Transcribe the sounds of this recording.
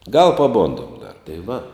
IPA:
ɡɐlˠ pɐˈboːndoːm dɐr tɐɪ ʋɐ

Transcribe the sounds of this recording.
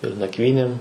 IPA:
ɪr nɐkˈʋʲiːnʲeːm

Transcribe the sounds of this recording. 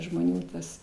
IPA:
ʒmoːˈnʲuː tɐs

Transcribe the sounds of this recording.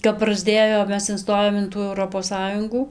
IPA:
kɐp prɐzʲˈdʲeːjoːm ˈmʲɛs ɪnˈstoːjoːm ɪn ˈtuː ɛʊˈroːpoːs ˈsɑːjʊŋɡuː

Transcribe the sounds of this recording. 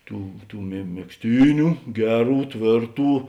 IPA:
ˈtuː tuː mʲɛ mʲɛksʲˈtʲiːnʲʊ ˈɡʲæːˌruː ˈtʲʋʲeːrˌtuː

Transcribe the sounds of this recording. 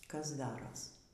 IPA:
ˈkɐs ˈdɑːroːs

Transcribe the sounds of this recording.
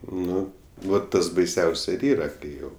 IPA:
ˈnʊ ʋɐ ˈtɐs bɐɪˈsʲɛʊs ɪr ˈiːrɐ ˈkɐɪ ˈjɛʊ

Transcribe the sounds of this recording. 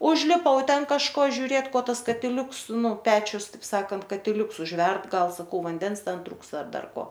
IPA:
ʊʒʲlʲɪˈpɐʊ ˈtʲɛn kɐʃˈkoː ʒʲʊˈrʲeːt ˈkoː ˈtɐs kɐtʲɪˈlʲʊks ˈnʊ ˈpʲæːt͡ʃʲʊs ˈtɐɪp ˈsɑːkɐnt kɐtʲɪˈlʲʊks ʊʒʲˈʋʲɛrt ˈɡɐlˠ sɐˈkɐʊ ʋɐnʲˈdʲɛns ˈtʲɛn ˈtrʊkstɐ ˈɐr ˈdɐr ˈkoː

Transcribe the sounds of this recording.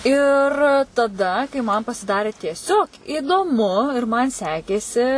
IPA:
ɪr tɐˈdɐ kɐɪ mɐn pɐsʲɪˈdɑːrʲeː tʲiɛˈsʲoːk iːdoːˈmʊ ɪr ˈmɐn ˈsʲæːkʲeːsʲɪ

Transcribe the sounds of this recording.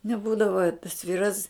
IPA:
nʲɛˈbuːdɐʋoː tɐs ˈʋʲiːrɐs

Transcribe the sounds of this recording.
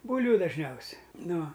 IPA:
ˈbuːlʲʋʲʊ dɐʒʲˈnʲɛʊsʲɛ nʊ

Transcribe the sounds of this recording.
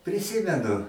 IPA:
pʲrʲɪˈsʲɪmʲɛnʊ

